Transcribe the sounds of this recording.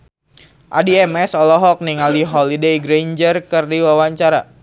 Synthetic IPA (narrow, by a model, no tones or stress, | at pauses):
ʔa̰diɛmɛsɔlɔɦɔk̚niŋaldiɦɔlidejɡɾeɲd͡ʒərkɨrdiwawaɲt͡ʃaɾa̰